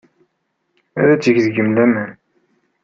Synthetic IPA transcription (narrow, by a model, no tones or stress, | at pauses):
æ̰ðæt͡sːəʝðɡəmlæmæn